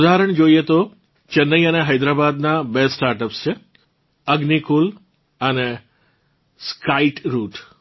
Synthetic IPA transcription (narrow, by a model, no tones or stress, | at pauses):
d̪aɦɾəɳd͡ʒoiet̪o | t͡ʃənːəiəneɦəjd̪ɾabad̪nabesʈaɾʈəpst͡ʃʰe | əɡnikul | əne | skaiʈɾuʈ